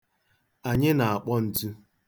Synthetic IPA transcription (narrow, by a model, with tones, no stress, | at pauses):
a˨ɲɪ˦na˨a˨k͡pɔ˦n̩˨tu˦